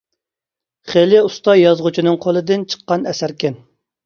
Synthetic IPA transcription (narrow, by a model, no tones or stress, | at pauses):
χelɪust̪ɑjɑzʁut͡ʃʰinɨŋqʰolˠɨd̪ɪnt͡ʃʰə̥qːɑnɛsæɾkʲɛn